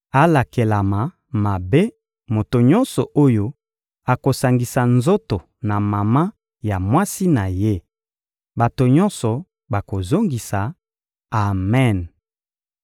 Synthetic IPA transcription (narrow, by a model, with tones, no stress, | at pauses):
a˦la˨ke˨la˨ma˨ | ma˨be˦ | mo˨to˨ɲɔ̃˦nsɔ˨ʔo˦jo˦ | a˨ko˨sa˨ŋɡi˨sa˨nzo˦to˨ | na˨ma˨ma˦ | ja˨mwa˦si˦na˨je˦ | ba˨to˨ɲɔ˦nsɔ˨ | ba˨ko˨zo˦ŋɡi˨sa˨ | a˨mɛ˦˨n